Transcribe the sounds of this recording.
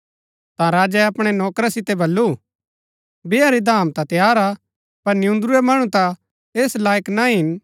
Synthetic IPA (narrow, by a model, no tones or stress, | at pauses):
t̪ãɾaːd͡ʒɛɐpɽ̃enɔːkɾasɪt̪ɛbɐlːu | beːaɾid̪ʱaːmt̪ãt̪jaːɾa | pɐɾnɪjũnd̪ɾuemɐɽ̃ũt̪ã | eːslaːjəknaɦɪn